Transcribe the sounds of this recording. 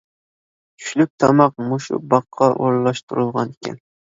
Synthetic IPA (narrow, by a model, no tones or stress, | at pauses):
t͡ʃʲʰy̥ʃlyp̚t̪ʰɑmɑq̚muʃṵbɑqʰːɑʔoɾlˠɑʃt̪ʰuɾulˠʁɑ̰nikʲɛ̰n